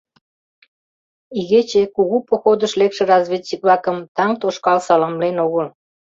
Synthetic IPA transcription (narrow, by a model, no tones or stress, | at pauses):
iɣet͡ɕekuɣupoxod̪əʃlekʃĕrɑzβʲet͡ɕːik̚βlɑkəmt̪ɑŋt̪oʃkɑlsɑlɑmlenoɣəl